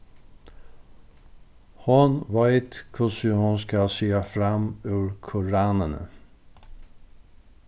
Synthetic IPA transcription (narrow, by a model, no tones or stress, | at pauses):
hʊnʋæɪt̪kʰʊsəhʊnskɑsyːɑfɾɑmʉːɹkʰʊɾɑːnənə̰